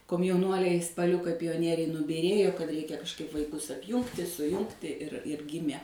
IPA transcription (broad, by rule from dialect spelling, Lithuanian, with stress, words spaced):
koːmʲjɛʊˈnuɔlʲɛɪ spɐˈlʲʊkɐɪ pʲɪjoːˈnʲiɛrʲɛɪ nʊbʲiːˈrʲeːjoː kɐt ˈrʲɛɪkʲɛ kɐʃkˈɐɪp ʋɐɪˈkʊs ɐpʲˈjuːŋktʲɪ sʊˈjʊŋktʲɪ ɪr ɪr ˈɡʲɪmʲeː